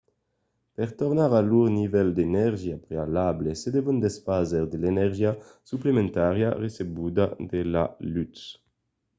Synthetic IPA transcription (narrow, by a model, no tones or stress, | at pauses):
pɛʁt̪ɔʁnaʁaluʁnivɛld̪enɛʁʒjapʁealablesed̪evɔnd̪esfazeʁd̪elenɛʁʒjasyplemẽnt̪aʁjaʁesebud̪ad̪ela̰lyt̪s